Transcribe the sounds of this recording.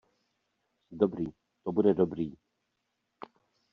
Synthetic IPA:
dobɾiː | t̪obudɛdobɾiː

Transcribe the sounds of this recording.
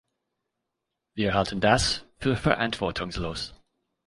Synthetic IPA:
ðiəɦalˠtʰə̃ndasfʉfə̰˞ʔæ̰̃nfɔtʰɔ̃ŋzlos

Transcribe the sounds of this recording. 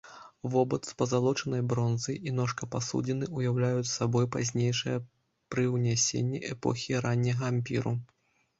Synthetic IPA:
vɔbɐt̪spɐzalˠɔt͡ʂɐnɐjbɾɔnzɐjʔinɔʂkɐpasṵd͡zʲinɨʔujawlʲajut͡sʲssabɔjpazʲnʲejʂɨjɐ | pɾɨwnʲasʲḛnʲːiʔɛpɔ̰xʲiɾanʲːɐɣɐamʲpʲḭɾu

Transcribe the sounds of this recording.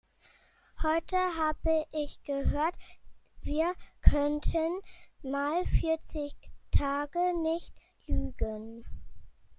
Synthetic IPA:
hɔʏtʰəɦaːbəʔɪçɡ̥əɦøːɐtviːɐkʰœntʰənmaːlfɪɐt͡sɪçtʰaːɡənɪçt | lyːɡən

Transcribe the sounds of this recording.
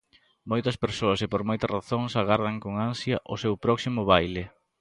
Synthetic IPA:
mojt̪ɐspeɾsoɐsɪpoɾmojt̪ɐraθoŋsaɣaɾðɐŋkoŋansjɐʔʊsewpɾɔksimʊβ̞ajlɪ

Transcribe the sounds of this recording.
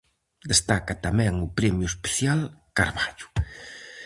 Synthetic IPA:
d̪est̪akat̪amɛ̃ŋʊpɾɛmjʊespe̥θjalkaɾβaʎʊ̥

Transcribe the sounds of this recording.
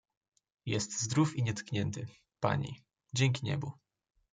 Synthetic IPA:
jɛst̪zd̪ɾufiɲɛt̪kɲɛnt̪ɘ | pa̰ɲḭ | d͡ʑɛŋʲk̬ʲiɲɛ̰bu

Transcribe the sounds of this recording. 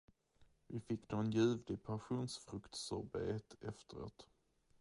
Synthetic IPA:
vɪfɪkːd̪oɛnjʉ̟ːvd̪ɪpʰanɧuːnsfɾɵkt̪sɔɾbeːt̪ɛft̪əɾo̰ːt̪

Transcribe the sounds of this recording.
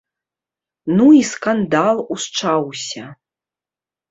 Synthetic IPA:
nuiskand̪alˠust͡ʂawsʲɐ

